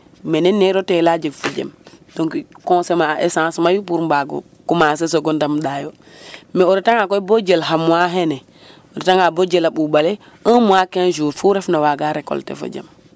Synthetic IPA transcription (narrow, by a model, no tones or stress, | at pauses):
mɛnɛnːɛɾɔtɛlad͡ʒiɡfɔd͡ʒɛ̰mdɔŋkikɔ̃sɛmaʔɛsãsmajupuɾmbaɡɔ̰ | kumas̬ɛs̬ɔɡɔndamɗajɔ | mɛɔɾɛtaŋakɔjbod͡ʒɛlɦamuaɦɛnɛ | ɔdɛtaŋabod͡ʒɛlaɓubalɛ | əmuakɛnd͡ʒuɾfuɾɛfnawaɡaɾɛkɔ̰ltɛ̰fɔ̰d͡ʒɛ̰m